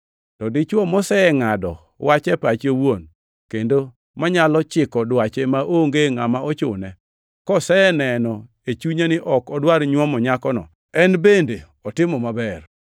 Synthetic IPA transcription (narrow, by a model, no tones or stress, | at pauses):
tɔdɪt͡ʃwɔmɔsɛɛŋadɔ̰ | wat͡ʃɛpat͡ʃowon | kendo | maɲalɔt͡ʃɪkɔdwat͡ʃemaʔoŋɡeŋamaɔt͡ʃʊ̰nɛ | kɔsɛnɛnɔ | et͡ʃuɲanɪʔɔkɔdwaɾɲwɔmɔɲakɔnɔ̰ | ɛnbende | ɔtɪmɔmabɛr